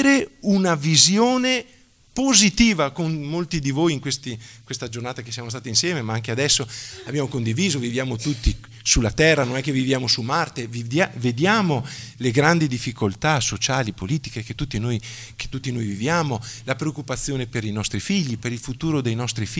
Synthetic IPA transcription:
ɾeunavizjoːne | pozit̪iːvakonmolt̪id̪ivoːjiŋkwest̪ikwest̪ad͡ʒornaːt̪akesjaːmost̪aːt̪insjɛːmemaaŋkead̪ɛsːoabjaːmokond̪iviːzovivjaːmot̪ut̪ːi | sulːat̪ɛrːanonɛkːevivjaːmosumart̪eviaved̪jaːmoleɡɾand̪id̪ifːikolt̪asot͡ʃaːlipoliːt̪ikeket̪ːut̪ːinoj | ke̥t̪ːut̪ːinojvivjaːmolapɾeokːupat̪sːjoːnepeɾinɔst̪ɾifiʎːipeɾilfut̪uːɾod̪ejnɔst̪ɾif

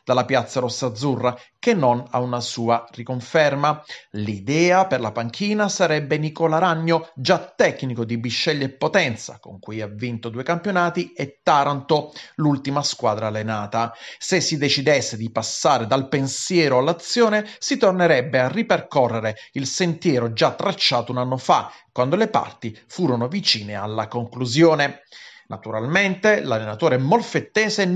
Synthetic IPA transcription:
d̪̥alːapjat̪sːaɾɔsːad̪zːurːakenːona̰unasuːarikoɱfɛrmalid̪ɛːaperlapaŋk̟ʰiːnasaɾɛbːenikolaɾaɲːod͡ʒat̪ːɛkːnikod̪ibiʃːɛʎːepːot̪ɛnt̪sa̰ko̰ŋkujavːint̪od̪uekampjonaːt̪iet̪ːaɾant̪olult̪imaskwaːd̪ɾaːlːenaːt̪asesːid̪et͡ʃid̪esːed̪ipasːaːɾed̪alpensjɛːɾoalːat̪sːjoːnesit̪orneɾɛbːearːiperkɔrːeɾeilsent̪jɛːɾod͡ʒat̪ːɾat͡ʃːaːt̪ounanːofakːwand̪olepa̰rt̪ifuːɾonovit͡ʃiːnea̰lːakoŋkluzjoːnenʔat̪uɾalment̪elalːenat̪oːɾemolfet̪ːɛːze

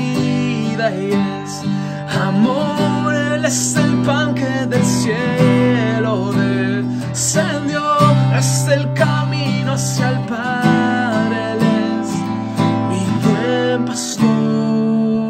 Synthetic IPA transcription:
ðaje | s | amoɾelest̪elpaŋkeðelsje | loðe | send̪joest̪elkamĩnoasjalpa | ɾele | s | itempast̪u

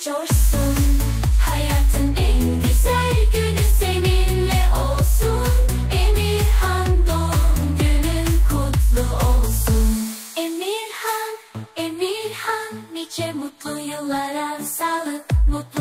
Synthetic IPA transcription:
d͡ʒoʃsun | hajat̪ʰɯnen | d̪isæɾɟønysemiɾlɛʔolˠsu | n | emiɾhand̪oɟønykʰut̪lˠuolˠsun | emiɾhanemiɾhanːit͡ʃʰɛmut̪lˠujɯlˠːaɾasalˠɯmut̪

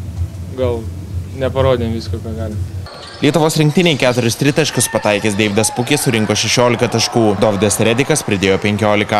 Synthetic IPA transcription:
ɡɐlˠnʲɛpɐɾoːd̪ʲemʋʲiːskokɐɡɑːlʲɪ | lʲiɛt̪ʊʋoːsɾʲɪŋk̚ʲt̪ʲɪnʲɛɪkʲæːt̪ʊɾʲʊst̪ʲɾʲɪt̪ɐʃʲkʊspɐt̪ɑɪkʲeːsd̪ʲɛʋʲɪd̪ɐspʊkʲesʊɾʲɪŋkoːʃʲɛʃʲoːlʲɪkɐt̪ɐʃkuːd̪oːʋʲd̪ʲesɾʲɛd̪ʲɪkɐspʲɾʲɪd̪ʲeːjoːpʲɛŋʲkʲoːlʲɪkɐ

